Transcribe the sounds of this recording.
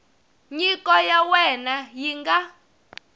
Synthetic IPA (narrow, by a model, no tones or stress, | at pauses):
ɲikɔjawɛnajiŋɡa